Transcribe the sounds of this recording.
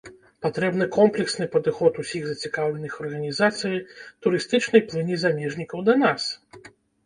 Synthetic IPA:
pat̪ɾɛbn̪ɨkɔmplʲɛksnɨpɐd̪ɨxɔt̪usʲiɣzɐt͡sʲikawlʲɛnɨxɐrɣɐnʲizat̪sɨjit̪uɾɨst̪ɨt͡ʂnɐjplˠɨnʲizamʲɛʐnʲikɐwd̪ɐnas

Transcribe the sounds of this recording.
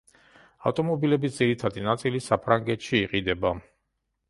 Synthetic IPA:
a̰ft̪ʼɔmɔbilɛbisd̪ziɾit̪ʰad̪inat̪sʼilisapʰɾaŋɡɛt̪ʃiːqʼid̪ɛba

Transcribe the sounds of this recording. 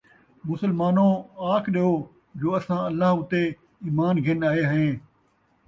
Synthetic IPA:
mʊsəlmaːnõːaːkʰɗioː | d͡ʒoːɐsãːɐlːaɦʊt̪e | iːmaːnɡʱɪnaːɦeɦəɦẽː

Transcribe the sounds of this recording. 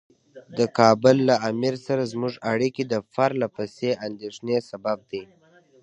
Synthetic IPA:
d̪əkɑbʊlːaamiɾsaɾazmʊʐaɽikid̪əfaɾlapaseand̪eʂnesabab̚d̪ij

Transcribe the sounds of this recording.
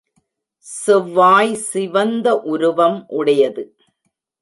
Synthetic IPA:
sɪʋːaːjsɪʋɐnd̪ɐʔʊɾɯʋɐmʔʊɽɐjɐðɯ

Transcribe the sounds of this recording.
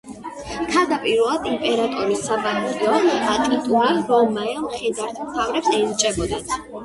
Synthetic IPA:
kʰad̪apʼiɾɛlˠad̪impʼɛɾat̪ʼɔɾisabanχɛɔat̪ʼit̪ʼuɾiɾɔmajɔmχɛd̪aɾt̪ʰmt̪ʰavɾɛbsɛnt͡ʃʼɛbɔd̪at̪ʰ

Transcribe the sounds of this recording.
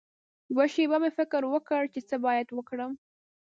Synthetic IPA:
jwaʃebamefɪkɾwəkəɽt͡ʃet͡səbɑjad̪wəkɽəm

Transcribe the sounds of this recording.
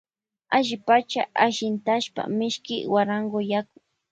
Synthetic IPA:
aʒɪpat͡ʃaʔaʃɪnt̪aʃpa̰mɪʃkɪwaɾaŋɡojak̚ʊŋ

